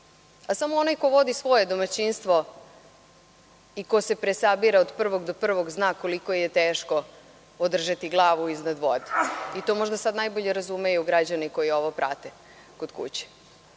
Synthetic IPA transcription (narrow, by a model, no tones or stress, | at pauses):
asamoonajko̞ʋo̞d̪isʋo̞je̞d̪o̞mat͡ɕinst̪ʋo̞ | ikosepɾesabiɾaod̪pr̩ʋo̞ɡd̪o̞pr̩ʋo̞ɡznaːko̞likojjet̪eːʃko̞ | od̪r̩ʒat̪iɡlˠaːʋuiznad̪ʋo̞̰d̪eit̪o̞mo̞ʒd̪asad̪najbo̞ʎeɾazumejuuɡɾad͡ʑaniko̞jio̞ʋopɾʔa̰t̪e | kod̪̥kṵt͡ɕi̥